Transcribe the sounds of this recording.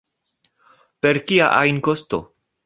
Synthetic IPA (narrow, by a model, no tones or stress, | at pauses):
peɾkia̰ʔajnkosto̰